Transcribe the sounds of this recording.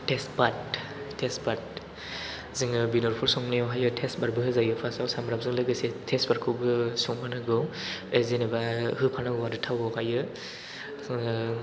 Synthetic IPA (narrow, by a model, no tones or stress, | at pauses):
tʰespat̚ | tʰespat̚ | zɯŋɯbinɔɾpʰɔɾsɔŋnejɔwɦajɯtʰesbaɾbɯɦɯzajɯpʰasawsamɾap̚zɯŋlɯɡɯsetʰesbaɾkʰɯwɡɯsɔŋpʰanɯɡɯwezenebahɯpʰanaɡɯwaɾɯtʰawɔwhajɯ